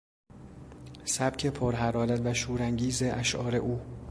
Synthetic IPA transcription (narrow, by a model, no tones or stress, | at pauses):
sæb̥cʰe̞pʰoɾɦæɾɒːlæt̪væʃuːɾæŋɟiːze̞ʔæʃʔɒ̰ːɾe̞ʔuː